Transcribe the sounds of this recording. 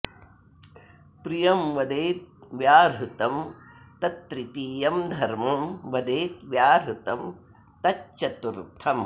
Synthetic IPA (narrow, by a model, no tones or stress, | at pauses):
pɾijɐmʋɐd̪eːt̪̚ʋjaːɾut̪ɐm | t̪ɐt̪ɾit̪iːjɐmd̪ʱɐɾmɐmʋɐd̪eːt̪ʋjaːɾut̪ɐm | t̪ɐt͡ʃt͡ʃɐt̪uɾt̪ʰɐm